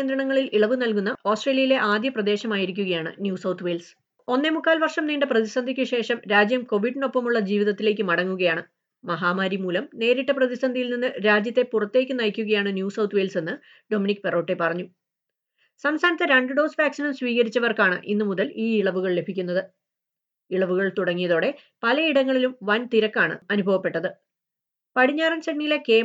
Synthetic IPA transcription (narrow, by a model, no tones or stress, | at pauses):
nd̪ɾɐɳɐŋːɐɭiliɭɐʋɨnɐlkunːɐo̞ːsʈre̞ːljɐjile̞ʔaːd̪jɐprɐd̪e̞ːɕɐmaːjiɾikʲːuɣɐjaːɳɨ̰njuːsɐwt̪ʰʋeːls | o̞nːemukːaːlʋɐrʂɐmniːɳɖɨprɐðisɐnd̪ʱikʲːɨɕe̞ːʂɐmɾaːd͡ʑjɐmko̞ʋiɖino̞pːɐmuɭːɐd͡ʑiːʋiðɐt̪ːile̞ːk̬ʲːɨmɐɽɐŋːuɣɐjaːɳɨ | mɐɦaːmaːɾimuːlɐmne̞ːɾiʈːɐprɐðisɐnd̪ʱijilninːɨɾaːd͡ʑjɐt̪ːe̞purɐt̪ːe̞ːk̬ʲːɨnɐjkʲːuɣɐjaːɳɨnjuːsɐwt̪ʰʋe̞ːlse̞nːɨ | ɖo̞minikːɨpero̞ːʈːe̞pɐrɐɲːu | sɐmst̪ʰaːnɐt̪ːɐɾeɳɖɨɖo̞ːsʋaːksinɐmsʋiːɣɐɾit͡ɕːɐʋɐrkaːɳɨ̰ʔḭnːɨmuðɐliːiɭɐʋuɣɐɭle̞bʱikʲːunːɐðɨ | iɭɐʋuɣɐɭt̪uɽɐŋːijɐðo̞ːɽe̞ | pɐlɐiɽɐŋːɐɭilumʋɐnt̪iɾɐkːaːɳɨ̰ɐnubʱɐʋɐpːe̞ʈːɐðɨ | pɐɽiɲːaːɾɐnsenːijileke̞ː